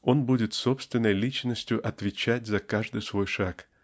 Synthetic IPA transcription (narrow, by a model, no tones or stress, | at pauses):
o̞nbudʲɪt̪sopst̪vʲɪnːəjlʲit͡ɕnəsʲtʲjʊʔɐt̪vʲɪt͡ɕætʲzɐkaʐd̪ɨjsvo̞jʂak